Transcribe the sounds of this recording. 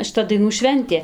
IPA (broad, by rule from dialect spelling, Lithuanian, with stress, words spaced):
ʃʲɪˈtɐ dɐɪˈnuː ˈʃʲʋʲɛnʲtʲeː